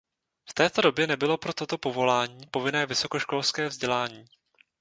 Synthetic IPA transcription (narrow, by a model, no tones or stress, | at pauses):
ft̪ɛːt̪o̞do̞bjɛnɛbɪlo̞pɾo̞t̪o̞t̪o̞po̞vo̞laːɲiːpo̞vɪnɛːvɪso̞ko̞ʃko̞lskɛːvzɟɛlaːɲiː